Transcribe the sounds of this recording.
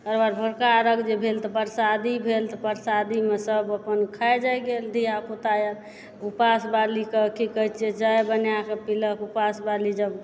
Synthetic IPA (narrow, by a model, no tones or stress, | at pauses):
kəɾbaɾbʱəɾkaɾəɡd͡ʒebʱelt̪ɔpəɾsad̪ibʱelt̪ɔpəɾsad̪imesəbəpənkʰaed͡ʒajɡeld̪ʱiakot̪ajə | upasbalikəkikəit͡ʃʰed͡ʒajbənjakepiləkupasbalid͡ʒəb